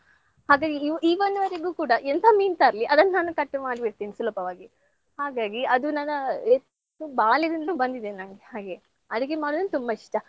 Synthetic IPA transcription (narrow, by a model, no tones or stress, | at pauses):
haːɡaːɡiiːʋond̪uʋɐɾeɡuːkuːɽɐʔent̪ʰamiːnt̪aːɾɐliʔɐd̪ɐnːnaːnukɐʈːmaːɽibiɾt̪iːnisulɔpɐʋaːɡi | haːɡaːɡiɐd̪unaːnɐe | ubaːlid̪ɐnluːbɐnd̪id̪eːninaːŋɡehaːɡe | ɐd̪iɡemaːɽud̪unt̪umbɐiʂʈɐ